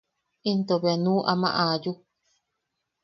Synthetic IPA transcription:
int̪oβeanũːʔamã̰ʔãju

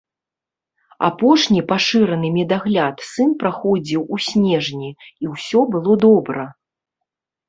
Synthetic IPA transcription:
a̰pɔʂnʲipaʂɨɾɐnɨmʲɛd̪aɣlʲat̪sɨnpɾaxɔd͡zʲiwusʲnʲɛʐnʲiiwsʲɔbɨlˠɔd̪ɔbɾɐ

